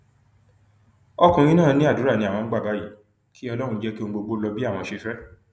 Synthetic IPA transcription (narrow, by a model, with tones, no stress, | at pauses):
ɔ˦kũ˧ɾ̃ĩ˦nãː˦˨˧nĩ˦a˦˨du˨˦ɾa˦˨nĩ˧a˨w̃ɔ̃˧˦ɡ͡ba˦˨ba˨˦ji˨˦ | ki˦ɔ˧lɔ˦ɾ̃ũ˧d͡ʒɛ˦ki˦o˧ɡ͡bo˧ɡ͡bo˦lɔ˧bi˦a˦˨w̃ɔ̃˧ʃe˧fɛ˦